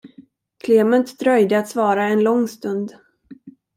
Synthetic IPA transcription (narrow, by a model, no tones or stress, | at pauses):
kʰleːmənt̪d̪ɾœjd̪əat̪svɑːɾaɛnlɔŋːst̪ɵnd̪